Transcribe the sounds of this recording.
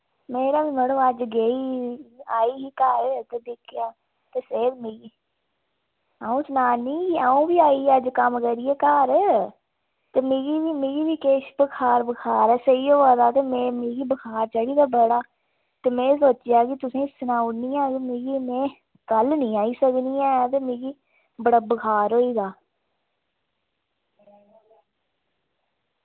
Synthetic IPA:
meːɾaːʋiːməɽõːəd͡ʒɡeːiːaːiːɦiːkəɾt̪eːd̪ɪkʰːjaː | t̪eːseːd̪meɡiː | aːũːsnaːnĩːaːũːbiːaːiːəd͡ʒkəmkəɾiːeːkəɾ | t̪eːmeːɡiːʋiːmɪːɡiːʋiːkeːʃbəkʰaːɾbəkʰaːɾɛːsəiːoːʋaːd̪aːt̪eːmɛ̃ːmẽːɡiːbəkʰaːɾt͡ʃəɽiːd̪aːbəɽaː | t̪eːmɛ̃ːsoːt͡ʃjaːkɪt̪ʊsẽːɪsənaːʊnĩːãːɡimẽːɡiːmɛ̃ː | kəlnĩːaːiːsəkniːãːɛt̪eːmẽːɡiː | bəɽaːbəkʰaːɾɦoːiːɡaː

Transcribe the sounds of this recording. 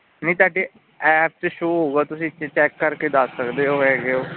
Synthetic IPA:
nəĩːt̪aːɖeː | ɛːp̚t͡ʃʃouːɦoːɡaːt̪ʊsĩt͡ʃt͡ʃɛːkːəɾked̪asːəkd̪eːɦoːɦɛːɡeoː

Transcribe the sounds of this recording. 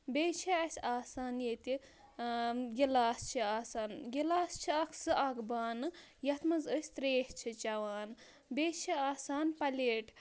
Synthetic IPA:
bʲeːt͡ʃʰiɐsʲaːsaːnjet̪i | ɡʲilaːst͡ʃʰiaːsaːnɡilaːst͡ʃʰiɐkʰsɨʔɐɡbaːnɨ | jɐt̪mɐzəːsʲt̪ɾeːʃt͡ʃʰit͡ʃɐʋaːn | beːt͡ʃʰiaːsaːnpɐlʲeːʈʰ

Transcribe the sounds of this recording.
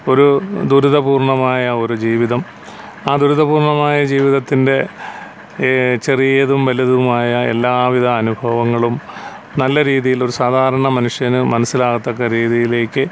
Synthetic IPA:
o̞ɾud̪uɾuðɐbuːrɳɐmaːjɐo̞ɾud͡ʑiːʋiðɐm | aːd̪uɾuðɐbuːrɳɐmaːjɐd͡ʑiːʋiðɐt̪ːinde̞ | t͡ɕerijɐðumʋɐliðumaːjɐe̞̰lːaːʋiðʱɐːnubʱɐʋɐŋːɐɭum | nɐlːɐɾiːðijilo̞ɾusaːd̪ʱaːɾɐɳɐmɐnuʂjɐnɨmɐnɐsːilaːɣɐt̪ːɐkːɐɾiːðijile̞ːkːɨ

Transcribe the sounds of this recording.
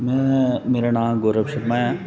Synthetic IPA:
mɛ̃meːɾanãːmɡoːɾəbʃɐpmaja

